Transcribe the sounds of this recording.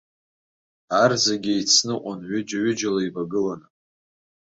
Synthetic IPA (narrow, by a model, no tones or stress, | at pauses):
arzaɡʲɪit͡sʰnɨʔʷʼanɥɪd͡ʒaɥʏd͡ʒalaivaɡɨlanɨ